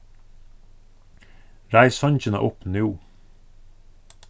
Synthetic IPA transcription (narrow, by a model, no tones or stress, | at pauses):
ɾæɪsɑnçənə̰ʔʊpnʉː